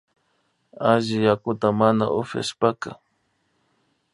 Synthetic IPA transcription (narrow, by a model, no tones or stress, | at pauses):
aʒɪjakʊt̪amana̰ʔʊfja̰ʃpaka̰